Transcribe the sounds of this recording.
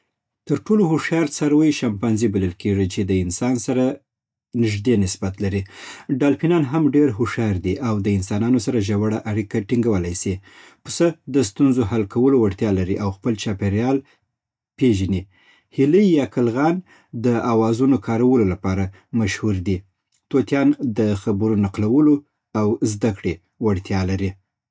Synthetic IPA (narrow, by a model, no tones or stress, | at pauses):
t̪əɾʈolohoʂɑɾsaɾwəjʃampanzibaləlkeʐit͡ʃed̪əɪnsɑnsaɾa | nɪʒd̪enɪsbat̪laɾiɖɑlpinɑnɦamɖeɾɦoʂjɑɾd̪iʔawd̪əɪnsɑnɑnosaɾaʒawaɽaʔaɽikaʈiŋɡawəlajsipəsəd̪əst̪unzoɦalkawəlowaɽt̪jɑlaɾiʔawxpəlt͡ʃɑpeɾjɑl | peʒani | hiləjːɑkəlɣɑn | d̪əawɑzunokʰɑɾawəlolapɑɾa | maʃhuɾd̪i | t̪ot̪jɑnd̪əxabuɾunaqlawəlo | awzd̪akɽe | waɽt̪jɑlaɾi